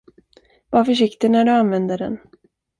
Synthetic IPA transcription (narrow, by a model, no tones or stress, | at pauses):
vaɾfœʂɪkt̪ɪnæɖɵanvɛnd̪əɖɛ̰n